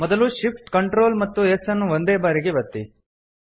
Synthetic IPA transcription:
mɔd̪ɐluʃipʈkɐɳʈɾo̞ːlmɐt̪ːuesɐnːuʋond̪eːbaːɾiɡeʋɐt̪ːḭ

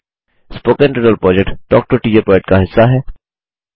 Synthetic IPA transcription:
spoːkẽnʈɾɪɖəlpɾɔːd͡ʒek̚ʈɖɔːk̚ʈoɾʈiːd͡ʒəɾpɾɔːɛʈ̚kaɦɪsːaɦɛː

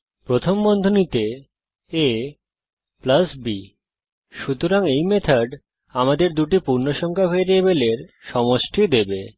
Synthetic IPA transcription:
pɾot̪ʰombɔnd̪ʱonit̪e | e | plasbi | ʃut̪oɾaŋejmet̪ʰaɖ | amad̪eɾd̪uʈipuɾnoʃɔŋkʰafeeɾieβeleɾʃɔmoʃʈʰid̪ebe

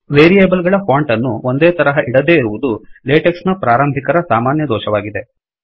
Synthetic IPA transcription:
ʋeːɾijeːbɐlɡɐɭɐfaːɳʈɐnːuond̪eːt̪ɐɾɐɦɐʔiɽɐd̪e̞ːiɾuʋud̪uleːʈeksnɐpɾaːɾɐmbʱikɐɾɐsaːmaːnjɐd̪ɔːʃɐʋaːɡid̪e̞

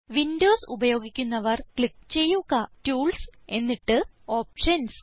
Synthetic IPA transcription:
ʋindo̞ːsubɐjo̞ːɡikʲːunːɐʋɐrkɭik̚ːt͡ɕe̞jːuɣɐʈuːɭse̞nːiʈːɨ | o̞ːp̚ʂɐns

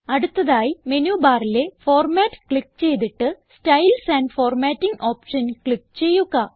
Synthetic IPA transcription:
ɐɽut̪ːɐðaːjimenuːbaːrile̞fo̞ːrmaːtːɨ̥kɭik̚ːt͡ɕe̞jt̪iʈːɨstɐjlsaːnfoːrmaːtːiŋɡo̞ːpʂɐnkɭik̚ːt͡ɕe̞jːuɣɐ

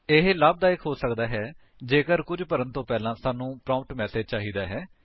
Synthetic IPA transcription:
ɪɦləb̚d̪aːɪkʰɦoːsəkd̪aːɦɛː | d͡ʒeːkəɾkʊd͡ʒpəɾənt̪õːpɛːlãːsaːnũːpɾãːmp̚ʈmɛːseːd͡ʒt͡ʃaːɦiːd̪aːɦɛː

